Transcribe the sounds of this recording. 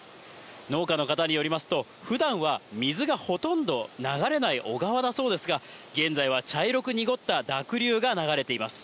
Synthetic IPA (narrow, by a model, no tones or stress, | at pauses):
no̞ːkano̞kat̪aɲ̟ijo̞ɾʲimasɨ̥t̪o̞ | ɸɯ̟d̪ãɰ̃βamʲizɨɡaho̞t̪õ̞nd̪o̞naɡaɾe̞naiʔo̞ɡaβ̞ad̪aso̞ːd̪e̞sɨɡaɡẽ̞nd͡zaiβ̞at͡ɕaiɾo̞kɯ̟ɲiɡo̞t̪ːad̪akɯ̟ɾʲɨːɡanaɡaɾe̞t̪e̞imasɨ̥